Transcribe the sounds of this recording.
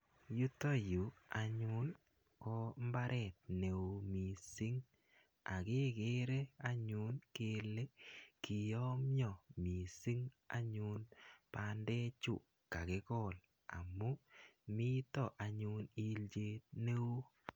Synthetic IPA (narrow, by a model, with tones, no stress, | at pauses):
ju˦to˦ju˨a˨ɲʊ˦n | kɔ˦mba˦ɾʔɛ˨t̪̚ne˨o˨mi˨si˦ŋ | a̰˨ke˦ke˦ɾe˦a˦ɲu˦nke˦le˦ki˨jɔ˦mjɔ˨mi˨si˦ŋ | a̰˦ɲu˦npa˦ndɛ˦t͡ʃṵ˨ | ka˨ke˦kɔ˦˨l | a̰˨mu˦mi˦tɔ˦˨ʔa˨ɲu˦ni˦ld͡ʒe˦t̚ne˦u˦